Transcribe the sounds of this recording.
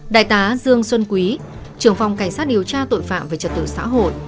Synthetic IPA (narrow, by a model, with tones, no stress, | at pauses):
ɗa̰ː˧˨jt̪aː˨˦zɨ˧əŋswə˧nkwi˨˦ | t͡ɕɨ˧˩əŋfa˨˩wŋ͡mka˧˩jŋ̟saː˦˥t̚ɗi˨˩əwt͡ɕaː˧t̪o̰˧˨jfa̰ː˧˨mvəː˨˩jt͡ɕə˨˩t̚t̪ɨ˧˩sa̰ː˧˥ɦo̰˧˨jʔ